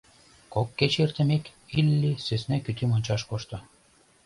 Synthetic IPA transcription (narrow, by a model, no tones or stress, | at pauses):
kokːet͡ɕert̪ə̆mekilːisøsnækyt̪imonʲt͡ɕɑʃkoʃt̪ɤ̆